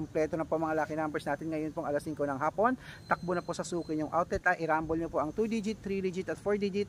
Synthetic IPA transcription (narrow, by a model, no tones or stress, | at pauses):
omplɛːt̪onɐpoɐŋmɐŋalaːkɪnambɛɹsnaːt̪ɪnŋɐjonpoŋʔɐlasːiŋkonɐŋɦaːpo̞nt̪ɐk̚bonɐposɐsuːkɪɲʊŋʔawt̪ɛt̪ɐʔɪɾambolɲopoʔɐŋt̪ud̪id͡ʒɪt̪ːɾid̪id͡ʒɪt̪ɐt̪foɹd̪id͡ʒɪt̪̚